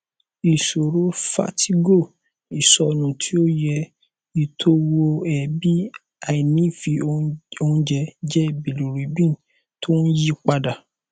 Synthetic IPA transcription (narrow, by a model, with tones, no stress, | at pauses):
i˨so˨ɾo˨˦fa̰˦tʰi˦ɡo˦˨ | i˨sɔ˧nũ˨tʰi˦o˦jɛ˧ | i˨tʰo˦wo˧ɛ˨bi˦ | a˨i˨nĩ˨˦fi˧o˧o˧ũ˧d͡ʒɛ˧d͡ʒɛ˦˨bi˨lu˨ɾi˨˦bĩ˦˨ | tʰo˦n̩˦ji˦k͡pa˧da˨